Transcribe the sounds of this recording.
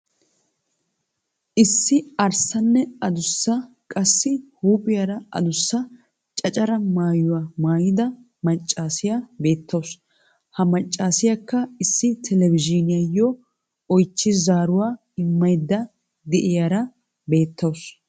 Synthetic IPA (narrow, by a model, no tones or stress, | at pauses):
ʔɪsːɪɐɾsɐnːɛɐd̪ʊsːɐ | kʼɐsːɪhuːpʼɪjɐɾɐʔɐ̰d̪ʊsːɐ | t͡ʃʼɐt͡ʃʼɐɾɐmaːjʊwamaːjɪd̪ɐ | mɐt͡ʃʼːaːsɪjabe̞ːt̪ːɐws | hɐmɐt͡ʃʼːaːsɪjɐkːɐɪsːɪt̪ʰɛlɛvɪd͡ʒɪnɪjɐjːɔ | ɔjt͡ʃːɪzaːɾʊwaː | ɪmːɐjd̪ːɐ | d̪ɛʔɪjaɾɐ | be̞ːt̪ːɐws